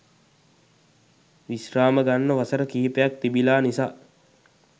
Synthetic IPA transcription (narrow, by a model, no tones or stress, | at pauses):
ʋisraːməɡanːəʋasəɾəkiːpəjak̚t̪ibilaːnisaː